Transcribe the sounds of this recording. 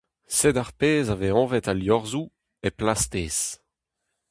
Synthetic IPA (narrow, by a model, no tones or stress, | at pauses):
sed̪aʁpeːzaveɔ̃vɛt̪aljɔʁzu | eplast̪eːs